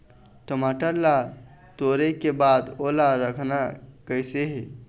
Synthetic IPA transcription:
ʈəmaʈəɾla | t̪oɾekebad̪olaɾəkʰnakəjseɦe

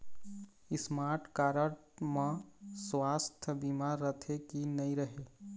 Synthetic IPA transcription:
ɪsmaːɾʈʰkaːɾəʈ | mãswaːst̪ʰəbimaːɾːət̪ʰekinəĩɾəɦeː

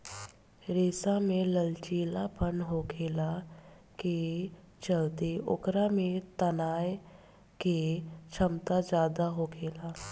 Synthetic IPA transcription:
ɾeːsamẽləlt͡ʃiːlapənɦoːkʰeːla | ke | t͡ʃəlt̪eʊ̰kɾamẽt̪ənaːj | ket͡ʃʰəmt̪ad͡ʒaːd̪aɦoːkʰeːlaː

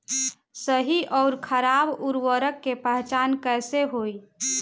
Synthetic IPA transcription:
səɦiʔɔːɾkʰəɾaːbʊɾwəɾəkːepəɦt͡ʃaːnkəːseɦoːi

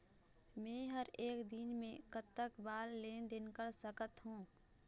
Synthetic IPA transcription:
mɛ̃ːɦəɾeːkd̪ɪnmẽkət̪əkbaːlːeːd̪ɪnkəɾsəkət̪ɦũː

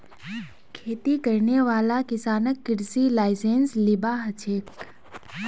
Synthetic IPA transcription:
kʰeːt̪ikəɾneʋaːlakɪsaːnəkːɪɾsilaːɪseːnslɪbaɦət͡ʃʰeːk

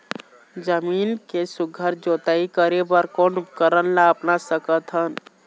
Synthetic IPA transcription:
d͡ʒəmiːnkesʊɡʱəɾd͡ʒoːt̪aikəɾebəɾkonʊp̚kəɾənlaəpnasəkət̪ɦən

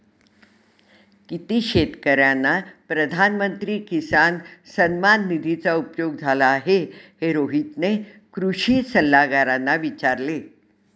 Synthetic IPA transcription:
kit̪iːɕet̪kəɾjanːapɾəd̪ʱanmənt̪ɾiːkisansənmanːid̪ʱit͡saupjoɡd͡zʱalaːɦeheɾoɦit̪ne | kɾuɕiːsəlːaɡaɾanːaʋit͡ɕaɾle

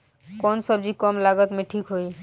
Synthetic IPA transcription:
kɔnsəb̚d͡ʒikɔmlaɡət̪mẽʈʰikɦoi

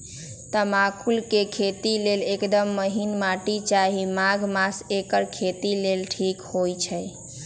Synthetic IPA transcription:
t̪əmakʰulkekʰet̪ilelekd̪əmːəɦinmaʈit͡ʃaɦimaɡmasekəɾkʰet̪ilelʈʰikhojt͡ʃʰəj

